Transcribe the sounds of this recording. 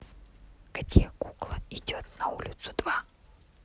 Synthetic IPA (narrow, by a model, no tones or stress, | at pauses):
ɡ̥t̪ʲekuklˠəɪdʲot̪̚nɐulʲɪt̪sʊd̪̥va